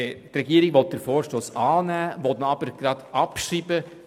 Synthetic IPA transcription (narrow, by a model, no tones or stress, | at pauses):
trɛɡiəɾɪɡʋɔt̪̚d̥əɾfɔːɾʃtoːsɑːnæːʋɔtnɑb̥əɾɡ̥ɾɑd̥̪ɑpʃiːbə